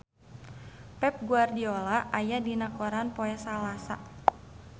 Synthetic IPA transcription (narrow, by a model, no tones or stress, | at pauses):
pɛp̚ɡuardiɔlaʔajadinakɔɾanpɔɛsalasa̰